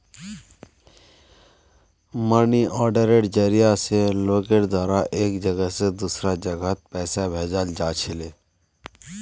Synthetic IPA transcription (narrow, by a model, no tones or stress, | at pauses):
məniʔɔːɾɖeɾeːʈd͡ʒeːɾijaseloːkeʈd̪waːɾaʔeːkd͡ʒəɡəɦsed̪uːsɾad͡ʒəɡət̪̚pɛːsabʱeːd͡ʒald͡ʒaːt͡ʃʰɪleː